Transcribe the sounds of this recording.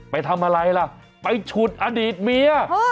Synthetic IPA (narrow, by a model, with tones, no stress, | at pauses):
pa˧jt̪ʰa˧mʔa˧ɾa˧jla˧˩ʔ | pa˧jt͡ɕʰu˨˩t̪̚ʔa˧diː˨˩t̪̚mi˧ɐ